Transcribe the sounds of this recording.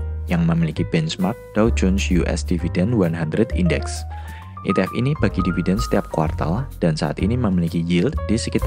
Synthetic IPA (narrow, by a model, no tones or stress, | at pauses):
jaŋməmilikibɛnsmark̚d̥ald͡ʒɔnsjuʔɛ̰sd̥ividɛnwanɦandɾɛdḭndɛks | ʔḭt̪ɛfḭnib̥aɡidividɛnsə̥t̪iap̚kwa̰rt̪a̰ld̥ansaʔa̰t̪ḭniməmilikijild̪disəkit̪a